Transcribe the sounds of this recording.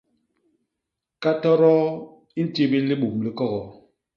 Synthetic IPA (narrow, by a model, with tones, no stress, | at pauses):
ka˦tɔ˦ɾɔ˦ | i˦n̩˦ti˦bi˦li˦ɓu˨mli˦kɔ˦ɣɔ˨